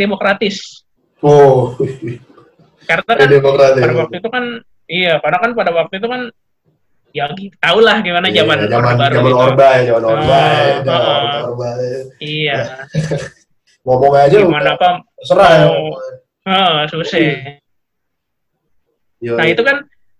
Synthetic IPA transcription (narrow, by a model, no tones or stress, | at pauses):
demokɾat̪ɪs | o | karnaademokɾat̪ɪpadawak̚t̪uit̪ukan | ijakarnakanpadawak̚t̪uit̪̬ukan | jaɡit̪aulahɡimanad͡ʒamand͡ʒamabaɾud͡ʒamanobaad͡ʒamanobaəʔəɔbaija | mɔmɔŋaad͡ʒamanapasəɾa | əʔəsusɛ | jnahit̪ukan